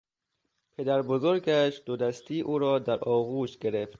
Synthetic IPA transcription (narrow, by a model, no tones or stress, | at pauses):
pʰe̞d̪æɾbozoɾɡæʃd̪̥od̪æst̪iːʔuːɾɒːd̪æɾʔɒːɣuːʃɡe̞ɾeft̪